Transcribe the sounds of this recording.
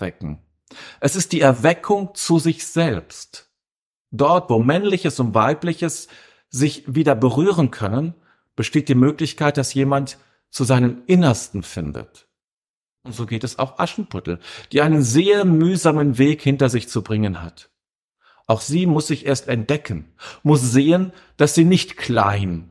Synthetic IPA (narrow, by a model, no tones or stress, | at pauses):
vɛkŋ̩ | ʔɛsɪstd̥iːɛɐvɛkʰʊŋt͡suzɪçz̥ɛlpst | d̥ɔɐtv̥oːmɛnlɪçəsʊntv̥aɪplɪçəs | z̥ɪçviːdɐbəʁyːʁ̞ənkʰœnən | b̥əʃteːt̚d̥iːmøːklɪçkaɪt̚d̥asjeːmant | t͡suzaɪnəmʔɪnɐstn̩fɪndə̰t | ʔʊntz̥oːɡeːtɛsa̰ʊxʔa̰ʃn̩pʰʊtl̩d̥iːʔaɪnənzeːɐmyːzaːmənveːkhɪntɐzɪçt͡subʁɪŋənha̰t | ʔaʊxz̥iːmʊsz̥ɪçʔeːɐstɛnt̚d̥ɛkʰən̩mʊsz̥eːən | d̥asz̥iːnɪçtkʰl̥a̰ɪn